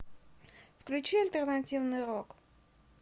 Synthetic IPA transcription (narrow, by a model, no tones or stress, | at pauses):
vklʲut͡ʃʰiɑlʲt̪ɛɾnɑtʲivniʁɔk